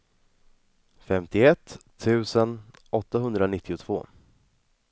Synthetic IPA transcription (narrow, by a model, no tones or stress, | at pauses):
fɛmt̪ɪɛt̪ʰː | ʉ̟ːsənɔt̪ːaɦɵnd̪ɾanɪt̪ʰːɪʊt̪ʰv̥o̰ː